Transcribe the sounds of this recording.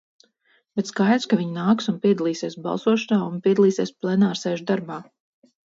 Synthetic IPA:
bɛt̪skajd̪ɾskaviɲnaːksunpʲiɛd̪alˠiːseɛsbɑ̰lˠsuɔʃanaːunpʲiɛd̪alˠiːseɛsplˠɛnaːɾsɛːʒud̪aɾbaː

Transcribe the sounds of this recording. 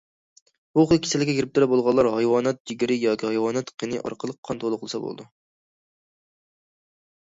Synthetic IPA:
b̥uqʰəlˠkʲʰe̥sɛlɪɡʲɛɡʲeɾɪp̚t̪ʰuɾɛbolˠʁɑlˠːɑɾɦɑjwɑːnɛt̪̚d͡ʒiɡʲɾɪjɑːkʲʰihɑjwɑːnɛt̪qʰenɨ̰ʔɑ̰ɾqʰəlˠəq̚ʰːɑnt̪ʰolˠʊqlˠɨsɑbo̰l̰ˠd̪u

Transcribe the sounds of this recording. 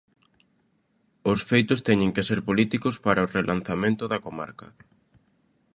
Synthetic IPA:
ʊsfejt̪ʊst̪ɛɲẽŋkeseɾpolit̪ikʊspaɾɐorelʔanθamẽnt̪ʊðɐkoma̰ɾkɐ

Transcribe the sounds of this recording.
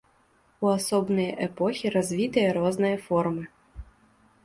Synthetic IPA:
uasɔbnɨjɐʔɛpɔxʲiɾazʲvʲit̪ɨjɐɾɔznɨjɐfɔrmɨ

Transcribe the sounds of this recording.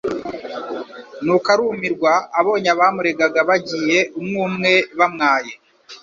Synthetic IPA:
nukaɾumiɾɡwaːβo̞ːɲaβaːmuɾe̞ɡaɡaβaɟiːje̞ʔumŋuːmŋe̞βamŋaːje

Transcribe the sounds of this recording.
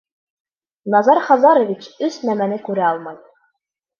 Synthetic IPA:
nɑzɑɾχɑzɑɾŏvʲit͡ɕɵsnæmænɘkʉɾæɑlˠmɑj

